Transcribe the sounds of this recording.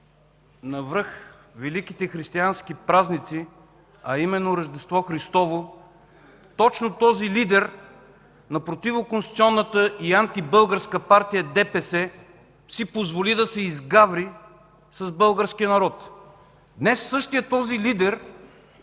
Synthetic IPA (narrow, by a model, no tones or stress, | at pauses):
nɐvɾɤxvɛlik̟it̪ɛxɾist̪iansk̟ipɾaznit̪si | ɐimɛnːoɾəʒd̪ɛst̪vɔxɾist̪ɔvo | t̪ɔt͡ʃnot̪ɔzilid̪ɛɾ | nɐpɾot̪ivʊkonst̪it̪iɔnːət̪əiant̪ibɤlˠɡəɾskəpaɾt̪ijəd̪ɛpɛsɛ | sipozvolid̪ɐsɛizɡavɾi | sɐzbɤlˠɡəɾskiənɐɾɔt̪ | d̪nɛsːɤʃt̪ijət̪ɔzilid̪ɛɾ